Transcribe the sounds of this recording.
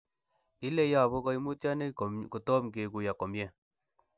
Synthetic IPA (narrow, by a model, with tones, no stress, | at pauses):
i˦le˦ja˨bo˦kɔ˧i˦mu˦tja˦ne˦˨ku˨tɔ˦mke˨ku˨ja˨kɔ˨mje˦˨